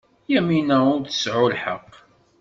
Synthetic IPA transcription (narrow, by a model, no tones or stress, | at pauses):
jæminæʊɾθə̥sʕʊlħə̰qː